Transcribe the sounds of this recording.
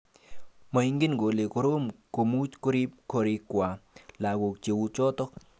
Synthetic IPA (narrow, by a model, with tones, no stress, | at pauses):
ma˨jŋɡi˦nɡo˨li˨ko˨ɾo˦mko˨mu˦t͡ʃko˦˧ɾi˦p̚ko˧ɾi˧kʷa˨la˨ɡo˨k̚t͡ʃe˨wu˧t͡ʃo˦t̪o˦k̚